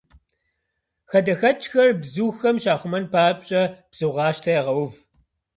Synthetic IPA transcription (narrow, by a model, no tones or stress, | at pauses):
xɐdɐxɐt͡ʃʼxɐrbzuːxɐmʃaːχʷʊmɐnpʰaːpʼɕʼɐb̥z̥uʁɑːʃtʰɐjɛʁɐwv